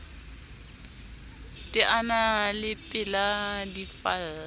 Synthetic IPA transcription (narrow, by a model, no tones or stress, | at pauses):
tʼɪʔanalɪpʼɪladifa